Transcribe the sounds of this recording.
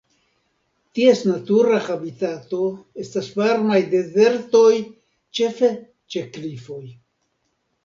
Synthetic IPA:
t̪ie̞snat̪uɾaxabit̪at̪o̞e̞stasvaɾnajd̪e̞ze̞ɾt̪o̞j | t͡ʃe̞fe | t͡ʃe̞klifo̞j

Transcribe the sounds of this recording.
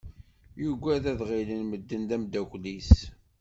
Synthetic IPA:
juɡʷæðæðʁilənməd̪ːənd̪æmd̪ækʷlis

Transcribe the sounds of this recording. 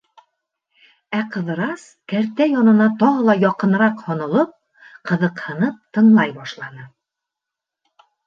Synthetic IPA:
æqɤ̆ðɤ̆ɾɑs | kæɾt̪æjɒnɤ̆nɑt̪ɒʁɤlˠɑjɒqɤ̆nɤ̆ɾɑqhɒnɤ̆lˠɤp̚ | qɤ̆ðɤ̆qhɤ̆nɤp̚t̪ɤ̆ɴlˠɑjbɑʃlˠɑnɤ

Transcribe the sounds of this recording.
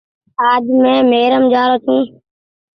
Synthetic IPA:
aːd͡ʒmẽːmeːɾəmd͡ʒaːɾoːt͡ʃʰũː

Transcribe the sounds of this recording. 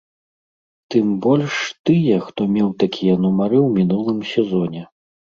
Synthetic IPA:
t̪ɨmbɔlʲʂt̪ɨjɛxt̪ɔmʲɛwt̪akʲijɛnumaɾɨwmʲinulˠɨmsʲɛzɔnʲɛ

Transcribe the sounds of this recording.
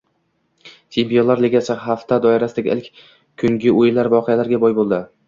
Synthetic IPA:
t͡ʃʰempijonlaɾleɡʲat͡ʃʰaɦaft̪ʰad̪ɒɪɾasɪd̪aɡʲḛlɪkʲ | kʰʊŋɡʲɪojlaɾvɒqʰɨjalaɾɡʲabɒjbolˠd̪ɪ

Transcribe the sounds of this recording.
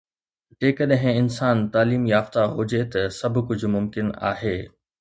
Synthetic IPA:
d͡ʑeːkəɗɦɪ̃ɪnsaːnt̪aːliːmjaːft̪aɦʊd͡ʑet̪ɐsɐbʱʊkʊd͡ʑʱʊ̆mʊmkɪna̰ːɦeː

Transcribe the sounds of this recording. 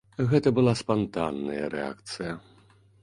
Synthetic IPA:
ɣɛt̪ɐbɨlˠaspant̪anːɐjɐ̰ɾɛa̰kt̪sɨjɐ

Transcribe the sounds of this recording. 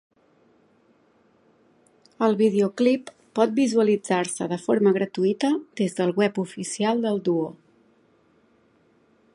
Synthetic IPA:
əlˠβið̞eoklipː | ɔt̪̚bizuəlid͡zarsə̰ðəfoɾməɣɾət̪uit̪əd̪ezðəlˠɣwɛpufisialˠd̪əlˠd̪uo

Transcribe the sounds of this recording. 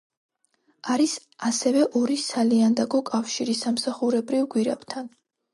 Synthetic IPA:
aɾis | asɛvɛʔɔɾisaliand̪akɔkʼafʃiɾisamsaχuɾɛbɾivɡwiɾa̰bt̪ʰan

